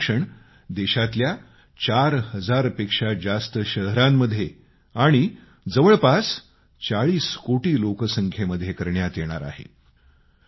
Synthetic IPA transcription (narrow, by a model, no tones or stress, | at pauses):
ʂəɳ | d̪eɕat̪lja | t͡ɕaɾɦəd͡zaɾpekʂad͡zast̪əɕəɦɾamːəd̪ʱːje | aɽ̃i | d͡zəʋəɭpas | t͡ɕaɭiːskoʈiːlokəsəŋkʰjeməd̪ʱjekəɾɳjat̪jeɽ̃aɾa̰ɦḛ